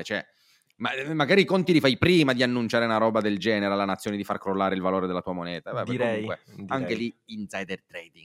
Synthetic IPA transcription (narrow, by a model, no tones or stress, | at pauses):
t͡ʃɛ | mamːaɡaːɾikont̪ilifajpɾiːmad̪ianːunt͡ʃaːɾeunaɾɔːbad̪eld͡ʒɛːneɾealːanat̪sːjoːned̪ifarkɾolːaːɾeilvaloːɾed̪elːat̪uːamonɛːt̪abɛbɾouŋkweaŋk̟eliinsajd̪ɛrt̪ɾɛd̪iŋɡ